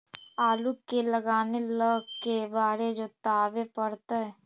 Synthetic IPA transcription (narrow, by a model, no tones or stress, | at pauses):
aːlukeləɡaːneləɡkebaːɾed͡ʒot̪aːʋepəɽt̪aɦɛː